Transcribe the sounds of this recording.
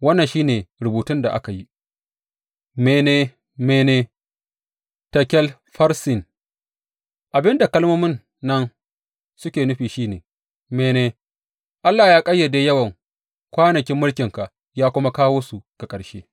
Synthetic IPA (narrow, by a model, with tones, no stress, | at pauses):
wɐ˦nːɐ˨nʃiː˦neː˨ɾʊ˨buː˨tʊ˦nda˨ʔa̰˦ka˨ji˦ | meː˨neː˨ | meː˨neː˨ | tɐ˨kʲɛ˦l | ɸɐ˦ɾsɪ˨n | ʔa˨bɪ˦nda˨kɐ˦lmoː˦mɪ˦nː | ɐ˦n | sʊ˦kʲeː˨nʊ˦ɸiː˨ʃiː˦neː˨ | meː˨neː˨ | ʔa˦lːaː˨jaː˦kʼɐ˦jːɐ˨daː˨jɐ˦wɐ˨ŋ | kʷaː˦nɐ˨kʲɪ˦mːʊ˦lkʲɪ˨ŋka˨ʔ | jaː˦kʷʊ˦ma˦kaː˦woː˦su˨ka˨kʼɐ˨ɽʃḛː˦